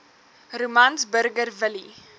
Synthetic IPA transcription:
rumɐnsbəɾɡərvəli

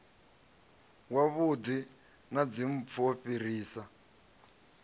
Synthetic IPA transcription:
waβudi | nad͡zim̩p̪fʰɔɸir̤iːsa

